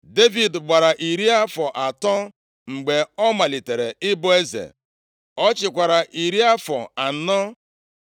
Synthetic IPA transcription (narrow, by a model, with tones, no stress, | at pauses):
de˦vi˨dɡ͡bʷa˨ɾa˨ʔi˨ɾi˦a˦fɔ˨ʔa˨tɔ˦ | ŋ͡m̩˨ɡ͡be˨ɔ˦ma˨li˨te˨ɾe˨ɪ˦bʊ˦e˦zḛ˨ | ɔ˦t͡ʃɪ˨kʷa˨ɾa˨ʔi˨ɾi˦a˦fɔ̰˨a˨n̩˦nɔ˦